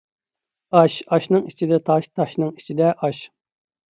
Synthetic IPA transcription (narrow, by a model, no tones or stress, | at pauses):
ɑʃɑʃnɨŋit͡ʃʰid̪ɛt̪ʰɑʃt̪ʰɑʃnɨŋi̥t͡ʃʰid̪ɛʔɑʃ